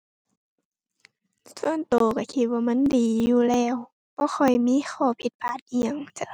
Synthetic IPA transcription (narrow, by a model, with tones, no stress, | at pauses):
su˧˨ənt̪oː˨˩ka˧˩kʰi˧t̪̚waː˧˩ma˧˥˨ndiː˨˩juː˧lɛː˧˩˨w | bɔː˧˦xʰɔ˧˨˩jmiː˧˥˨xʰɔː˧˩pʰi˧˩t̪̚pʰaː˧˩t̪̚ʔi˧ə˨ŋt͡ɕa˧